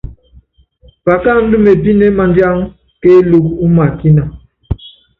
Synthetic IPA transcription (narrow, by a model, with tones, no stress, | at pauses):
ba˨ka˦˨n̩˦du˦me˨bi˦ne˦ma˨nd͡ʒja˦ŋ | ke˦lu˦ku˦ma˨ki˦na˨